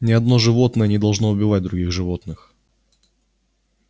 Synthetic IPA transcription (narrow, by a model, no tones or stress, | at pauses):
nʲɪɐd̪no̞ʐɨvo̞t̪nəjənʲɪd̪ɐlˠʐno̞ʊbʲɪvat̚ʲd̪ɾʊɡʲiɣʐɨvo̞t̪nɨx